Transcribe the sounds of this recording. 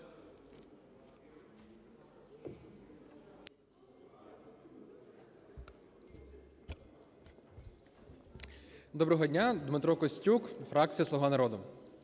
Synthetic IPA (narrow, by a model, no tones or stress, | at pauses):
d̪ɔbɾɔɦɔdʲnʲad̪mɪt̪ɾɔkɔsʲtʲukfɾɑk̚t͡sʲijɐsˠɔʋɑnɐɾɔd̪ʊ